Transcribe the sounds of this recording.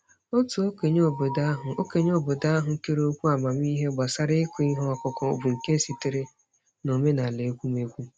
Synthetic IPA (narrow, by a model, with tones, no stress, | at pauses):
o˦tu˨o˦ke˨ɲo˦˨bo˨da˦ɦʊ˨o˦ke˨ɲo˦˨bo˨da˦a˦ɦʊ˨ŋ̩˦ke˦ɾo˦kʷu˦a˨ma˨m˦i˦ɦe˦ɡ͡ba˨sa˦ɾɪ˦ɪ˦kʷu˦i˦ɦɔ˦ɔ˦kʊ˨kɔ˦˨bu˨ŋ̩˨ke˦n̩˦si˨tɪ˨ɾe˦ | no˨me˦na˨le˨˦ɡʷu˦me˨ɡʷu˦